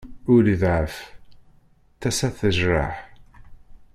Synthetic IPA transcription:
ʊɾðʕəf | θæsæθəʒɾˤa̰ħ

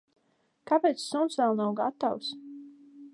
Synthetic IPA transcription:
kapɛjt̪ssunsvɛlˠnawɡa̰t̪aws

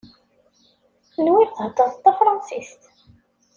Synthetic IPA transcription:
θənwiɾθəht̪ˤːɑθt̪ːɑfɾˤɑnsist̪

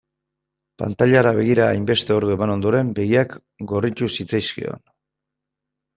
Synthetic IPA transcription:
pa̰nt̪aʎaɾaβ̞e̞ɣ̞iɾaːjmbe̞st̪e̞o̞ɾðue̞mano̞nd̪o̞ɾe̞mbe̞ɣiak | ɡo̞rit̪usit͡sajskḭo̞̰n

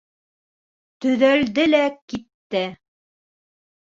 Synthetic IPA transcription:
t̪ɵ̆ðœld̪ɘlækit̪ːɘ

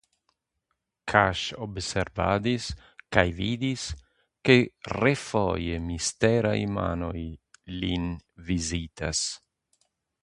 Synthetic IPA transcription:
kʰaʃobseɾvad̪is | kajvid̪is | kerefojemist̪eɾa̰jma̰nojlinvizit̪as

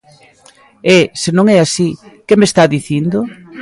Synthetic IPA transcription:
ɛsenõŋɛasikemest̪aðiθind̪ʊ

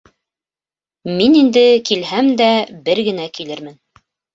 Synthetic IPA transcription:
minind̪ɘkilhæmd̪æbɘɾɡɘ̆nækilɘɾmɘn

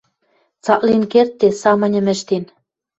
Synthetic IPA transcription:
t͡sɑklinkert̪ːesɑmɤ̆nʲɘ̆mɘ̆ʃt̪in

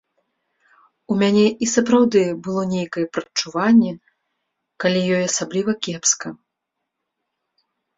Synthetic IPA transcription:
umʲanʲɛʔisɐpɾawd̪ɨbɨlˠɔnʲejkɐjɛpɾɐt͡ʂuvanʲːɛ | kalʲijɔjɐsablʲivɐkʲɛpskɐ

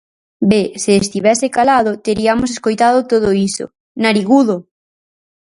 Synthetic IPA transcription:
beseːst̪iβɛsekalaðʊt̪eɾiamos̬eskojt̪aðot̪oð̞oiso̰ | naɾiɣuðo

